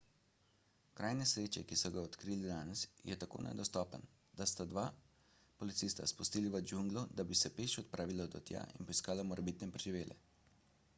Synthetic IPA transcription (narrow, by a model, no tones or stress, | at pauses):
kɾaːjnɛsɾeːt͡ʃɛkisɔɡaɔt̪kɾiːlid̪aːnɛsjɛt̪ako̰ːnʔɛ̰d̪ɔst̪ɔːpən | d̪̥ast̪ad̪ʋaː | pɔlit̪sist̪aspust̪iːliʋəd͡ʒuŋɡlɔd̪abisɛpeːʃɔt̪̚pɾaːʋilɔd̪ɔ̰t̪ja̰ḭnpɔiskaːlamɔɾɛbiːt̪nɛpɾɛʒiʋeːlʔɛ̰